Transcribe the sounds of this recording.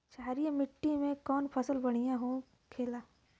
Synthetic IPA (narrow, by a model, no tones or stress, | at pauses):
ʃaːɾijmɪʈːimẽkɔːnpʰɐsəlbɐɽ̃ijãɦõ | kʰeːlaː